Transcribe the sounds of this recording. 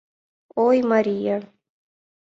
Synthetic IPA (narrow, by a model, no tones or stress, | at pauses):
oːjmɐɾija